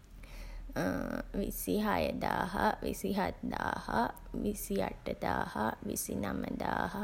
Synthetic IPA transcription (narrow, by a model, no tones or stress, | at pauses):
ʋisiɦajəd̪aːɦaʋisiɦat̪d̪aːhaʋisijaʈːəd̪aːhaʋisinaməd̪aːhɐ